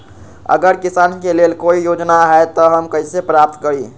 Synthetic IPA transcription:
ə̰ɡəɾkisaːnkeleːlkoijoːd͡ʒnaɦɛt̪ɔɦəmkəisepɾaːp̚t̪kəɾiː

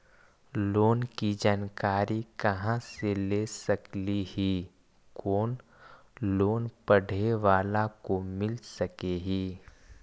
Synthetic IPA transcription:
loːnkid͡ʒaːnkaːɾikɐɦãseleːsɐklihi | koːn | loːnpəɽ̤eʋaːlakomɪlsɐkeɦiː

